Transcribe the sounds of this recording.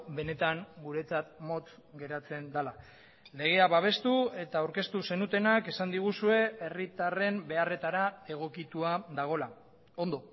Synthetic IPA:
be̞ne̞t̪aŋɡuɾe̞t͡sat̪mo̞t͡s̪ | ɡe̞ɾat͡se̞nd̪ala | le̞ɣ̞e̞aβaβ̞e̞st̪ue̞t̪aːwɾke̞st̪use̞nut̪e̞nake̞sand̪iɣ̞usue̞e̞rit̪are̞mbe̞are̞t̪aɾae̞ɣ̞o̞kit̪uaðaɣ̞o̞la | o̞nd̪o̞

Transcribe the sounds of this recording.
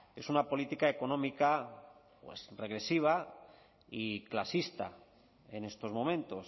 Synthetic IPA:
e̞sunapo̞lit̪ikaeko̞nõ̞mika | pwe̞̰sre̞ɣɾe̞siβ̞a | iklasist̪a̰ | e̞ne̞st̪o̞zmomẽnt̪o̞s

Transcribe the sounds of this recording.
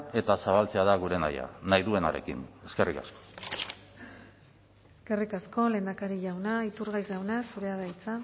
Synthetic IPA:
e̞t̪asaβalt͡se̞aðaɣ̞uɾe̞na̰ja̰najðue̞naɾe̞̰kḭne̞ske̞rikasko̥ | eske̞rikasko̞le̞ːnd̪akaɾiʎawnait̪uɾɣajzawnasuɾe̞aðajt͡sa

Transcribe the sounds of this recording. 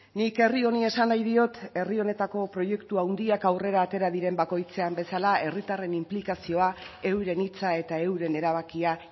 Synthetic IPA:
nike̞rio̞nie̞sanajðio̞t̪e̞rio̞ne̞t̪ako̞pɾo̞je̞kt̪uawnd̪iakawre̞ɾaːt̪e̞ɾaðiɾe̞mbako̞jt͡se̞ambe̞salae̞rit̪are̞nimplikasio̞ae̞wɾe̞nit͡sae̞t̪ae̞wɾe̞ne̞ɾaβ̞akia

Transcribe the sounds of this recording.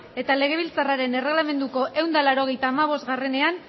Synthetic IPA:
e̞t̪ale̞ɣ̞e̞β̞ilt͡saraɾe̞ne̞re̞ɣlame̞nd̪uko̞ʔe̞wnd̪alaɾo̞ɣ̞ejt̪aːmaβ̞o̞zt̪ɣare̞ne̞an

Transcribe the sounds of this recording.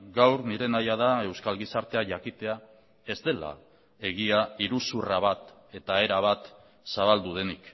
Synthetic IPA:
ɡawɾniɾe̞najaðae̞wskalɣisaɾt̪e̞aʝakit̪e̞a | e̞zd̪e̞la̰ | e̞ɣiaiɾusuraβ̞at̪ | e̞t̪ae̞ɾaβ̞at̪ | saβald̪uð̞e̞nik

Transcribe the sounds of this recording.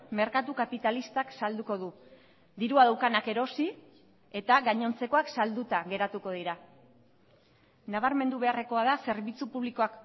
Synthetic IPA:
me̞ɾkat̪ukapit̪alist̪aksald̪uko̞ðu | d̪iɾuaðawkanake̞ɾo̞si | e̞t̪aɣaɲo̞nt͡se̞ko̞aksald̪ut̪aɣe̞ɾat̪uko̞ð̞iɾa | naβaɾme̞nd̪uβe̞are̞ko̞aðase̞ɾβit͡supuβliko̞ak

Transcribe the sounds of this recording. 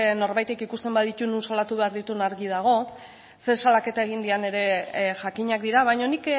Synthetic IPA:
no̞ɾβajt̪ekikust̪e̞mbaðit̪ununsalat̪uβe̞aɾðit̪unaɾɣiðaɣ̞o̞ | se̞salake̞t̪ae̞ɣ̞ind̪iane̞ɾe̞ʝakiɲak̚d̪iɾaβajɲonik

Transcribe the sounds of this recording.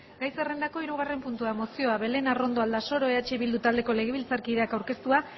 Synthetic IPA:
ɡajse̞re̞nd̪ako̞iɾuɣ̞are̞mpunt̪uamo̞sio̞aβe̞le̞naro̞nd̪o̞ald̪aso̞ɾo̞e̞at͡ʃeβild̪ut̪ald̪e̞ko̞le̞ɣ̞e̞βilt͡saɾkiðeakawɾke̞st̪ua

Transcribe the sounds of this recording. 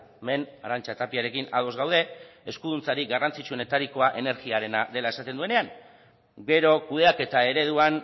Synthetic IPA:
me̞naɾant͡ʃat̪apiaɾe̞kina̰ðo̞zɣawð̞e̞eskuð̞unt͡saɾiɡarant͡sit͡ʃuo̞ne̞t̪aɾiko̞aʔe̞ne̞ɾɣiaɾe̞naðe̞laesat̪e̞nd̪ue̞ne̞aŋ | ɡe̞ɾo̞kuð̞e̞ake̞t̪ae̞ɾe̞ð̞uan

